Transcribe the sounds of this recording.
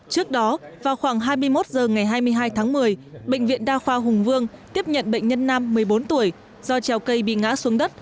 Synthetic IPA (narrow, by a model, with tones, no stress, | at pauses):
t͡ɕɨ˦˥ək̚ɗɔ˨˦vaː˨˩wxwaː˧˩ŋɦaː˧jmɨ˧əjmo˦˥t̚zəː˨˩ŋa˨˩jɦaː˧jmɨ˧əjɦaː˧jt̪ʰaː˨˦ŋmɨ˨˩əjɓə̰˧˨jŋ̟vḭ˧˨ənɗaː˧xwaː˧ɦʊ˨˩ŋvɨ˧əŋt̪i˦˥əp̚ɲə̰˧˨nɓə̰˧˨jŋ̟ɲə˧nːaː˧mːɨ˨˩əjɓo˨˦nt̪u˧˩əj | zɔ˧t͡ɕɛ˨˩wkə˧jɓḭ˧˨ŋa̰ː˧˥su˨˦əŋɗə˦˥t̚